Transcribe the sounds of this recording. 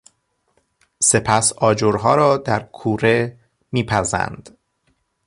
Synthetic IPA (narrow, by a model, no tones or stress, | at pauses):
se̞pʰæsɒːd͡ʒoɾɦɒːɾɒːd̪æɾkʰuːɾe | miːpʰæzæ̰nd̪̥